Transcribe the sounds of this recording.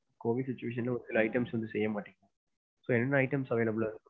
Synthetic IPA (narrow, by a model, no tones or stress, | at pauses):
koːʋɪɖsɪt͡ʃːʊʋeːʂ̬ɐnlɐɔɾsɪlɐɐɪʈɐmsʋɐnd̪ɯsɛjːɐmaːʈːɪŋɡã | soːɛnːɐnːɐɪʈɐmsɐʋeːlɐbɯɭaːðkː